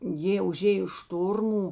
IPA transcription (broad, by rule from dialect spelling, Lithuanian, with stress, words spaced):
ˈjeː ʊˈʒʲeːjoː ˈʃtoːrmuː